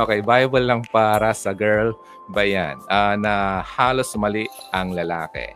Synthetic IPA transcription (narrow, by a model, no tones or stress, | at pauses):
ʔokɛjbajbɐlːɐŋpaːɾɐsɐɡɛɹl | bɐja̰nʔanɐhaːlosmɐliʔʔɐŋlɐlaːkɛ̰